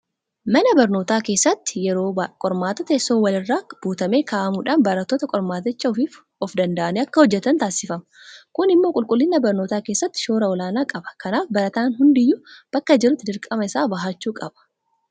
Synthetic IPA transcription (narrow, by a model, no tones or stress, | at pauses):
mɐnɐbɐɾno̞ːt̪aːke̞ːsːɐt̪ːɪ̥jɛɾoːkʼɔɾmaːt̪ɐt̪ːsːoːwɐlɪrːaːb̥uːt̪ɐme̞ːkaːʔɐmuːᶑaːnbɐɾɐt̪ːoːt̪ɐkʼɔɾmaːt̪ɪt͡ʃːɐɔfiːf | ɔfd̪ɐnd̪ɐʔɐnɛɐkːɐhɔd͡ʒːɛt̪ːɐnt̪aːsɪfɐm | kʊnɪmːoːkʼʊlkʼʊlːɪnːɐbɐɾno̞ːt̪aːke̞ːsːɐt̪ːɪ̥ʃoːɾɐɔlaːnaːkʼɐbɐ̥kɐnaːfbɐɾɐt̪aːnɦʊnd̪ɪjʊb̥ɐkːɐd͡ʒɪɾʊt̪ːɪd̪ɪɾkʼɐmɐɪsaːbɐɦaːt͡ʃːuːkʼɐb̥ɐ̥